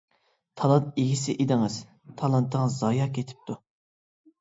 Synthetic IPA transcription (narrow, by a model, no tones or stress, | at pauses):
t̪ʰɑlˠɑnt̪eɡʲisɪʔed̪ɪŋɨz̥ | t̪ʰɑlˠɑnt̪ʰəŋzɑjɑkʲʰet̪ʰɪ̥p̚t̪ʰu